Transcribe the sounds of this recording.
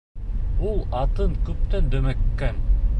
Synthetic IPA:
ulˠɑt̪ɤŋkɵp̚t̪ænd̪ɵ̆mækkːæn

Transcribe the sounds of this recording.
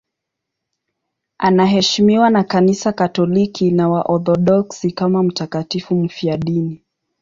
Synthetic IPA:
anaɦɛʃimiwanakanisakatɔlikinawaʔɔθɔɗɔksikamam̩takatifum̩fiaɗini

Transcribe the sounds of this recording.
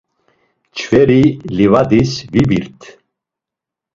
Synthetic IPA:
t͡ʃʰvɛɾilivad̪isvibiɾt̪ʰ

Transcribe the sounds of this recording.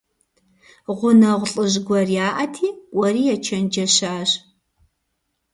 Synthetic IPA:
ʁʷʊnɐʁʷɬʼɨʑɡʷɐrjaːʔɐtʰiːʔʷʼɐriːjɛt͡ʃʰɐnd͡ʒɐɕaːʑ

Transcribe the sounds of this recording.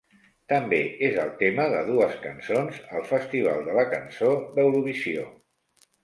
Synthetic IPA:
t̪əmbeezəlˠt̪eməðə̰ðuəskənsonzəlˠfəst̪iβ̞a̰lˠd̪ələkənsod̪əwɾuβ̞isio

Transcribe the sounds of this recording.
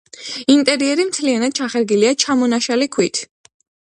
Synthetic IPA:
int̪ʼɛɾiɛɾimt̪ʰlianad̪̥̚t͡ʃʰaχɛɾɡiliat͡ʃʰamɔnaʃalikʰwit̪ʰ

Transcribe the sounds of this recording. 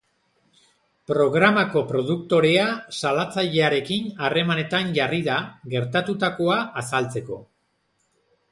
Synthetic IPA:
pɾo̞ɣɾamako̞pɾo̞ðukt̪o̞ɾe̞asalat͡saʎe̞aɾe̞kinare̞mane̞t̪anʝariðaɣe̞ɾt̪at̪ut̪ako̞aːsalt͡se̞ko̞

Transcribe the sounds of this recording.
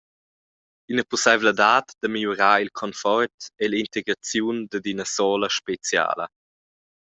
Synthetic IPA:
inəpusavlədaːtd̥̪əmiluɾaːilkʰɔnfɔrtelint̪eɡɾat͡sjund̪əd̪inəsɔːləʃpet͡sja̰ːlə̰

